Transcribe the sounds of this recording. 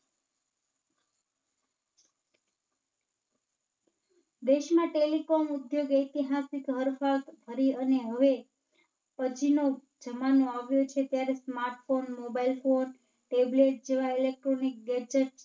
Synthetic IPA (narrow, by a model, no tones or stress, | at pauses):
d̪eʃmãʈelikomud̪joɡejt̪iɦasikɦəɾfat̪bʱəɾiəneɦəʋe | pəd͡ʒʰino | d͡ʒəmanoaʋjot͡ʃʰet̪jaɾesmaɾʈfonmobailfon | ʈebleʈ̚d͡ʒeʋailek̚ʈɾonik̚ɡɛd͡ʒəʈ